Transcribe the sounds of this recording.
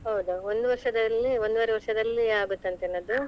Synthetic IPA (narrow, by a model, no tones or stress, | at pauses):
ɦɐwd̪uond̪uʋɐɾʂɐd̪ɐlːiond̪uʋaːɾeʋɐɾʂɐd̪ɐlːiaːɡut̪ːɐnt̪eːnːɐd̪u